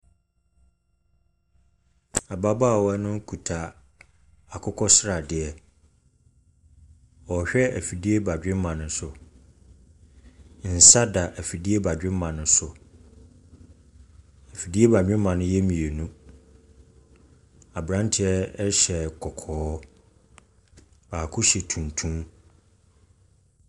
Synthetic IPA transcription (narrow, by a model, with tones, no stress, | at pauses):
a˨ba˦ba˦˨wɔ˦nʊ̃˦kʰu˨tʰa˨ | a˨kʰʊ˦kʰɔ˦sɾa˨dɪ˨˦ɛ˨ | ɔ˨ɕᶣɛ˦ʔæ˨fi˨di˦e˦ba˨dᶣɪ̃˦mã˨nʊ̃˦sʊ˨ | n̩˨sa˦da˨ʔæ˨fi˨di˦e˦ba˨dᶣɪ̃˦m˦mã˨nʊ̃˨˦sʊ˨ | æ˨fi˨di˦e˦ba˨d͡ʑᶣɪ̃˦mːã˨nʊ̃˦jɛ˦mĩ˨e˨nũ˦ | a˨bɾã˦n˦tʰɪ˨ɛ˦ɕɛ˨kʰɔ˨kʰɔː˨˦ | b̥aː˨kʰʊ˦ɕɛ˨tʰũ˨ntʰũ˦m